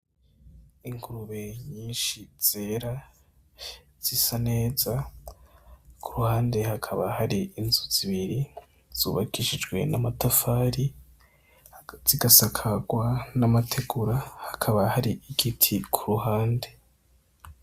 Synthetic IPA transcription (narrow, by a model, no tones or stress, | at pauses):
iŋɡuɾuβe̞ɲiːnʃiz̥eːɾa | z̥isane̞ːza | kʰuɾuhaːnde̞hakʰaβa̰haɾiinzuz̥iβiɾi | z̥uːβakiʃid͡ʒɡwe̞̰namatafaːɾi | z̥iɡasakʰaɡwanamatʰe̞ɡuɾahakʰaβahaɾiʔiɡitʰikʰuɾuɦaːnde̞